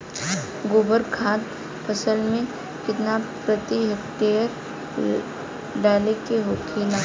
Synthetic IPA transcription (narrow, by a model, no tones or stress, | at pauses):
ɡʊbəɾkʰãːt̪ | pʰəsəlmẽ | kɪt̪napɾət̪iɦek̚ʈeːjəɾ | ɖaːlekeɦoːkʰina